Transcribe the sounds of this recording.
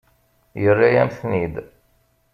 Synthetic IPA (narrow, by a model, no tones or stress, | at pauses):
jərːajæmθnid̪